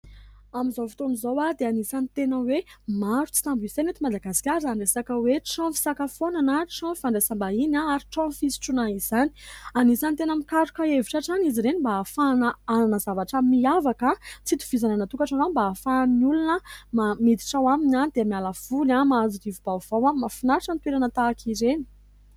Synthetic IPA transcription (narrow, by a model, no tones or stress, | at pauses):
amizofi̥t̪onizowad̪eanisanit̪enəwemaɾut͡si̥t̪ambisenet̪imad̪aɡasi̥kʲaɾaɳɖ͡ʐesakəweʈ͡ʂɔ̃fi̥sakafonanəʈ͡ʂɔ̃faɳɖ͡ʐesambainaaɾiʈ͡ʂɔ̃fisi̥ʈ͡ʂunaizani̥anizanit̪enəmikaɾukəeviʈ͡ʂaʈ͡ʂaniziɾenimbaafanəananəzavaʈ͡ʂəmiavakat͡sit̪u̥v̥izananat̪ukaʈ͡ʂanabaːfanulunəmamid̪i̥ʈ͡ʂawaminand̪emialav̥ulamaːziɾivubav̥awamafinaɾaʈ͡ʂənt̪weɾanət̪aːkʰiɾeni̥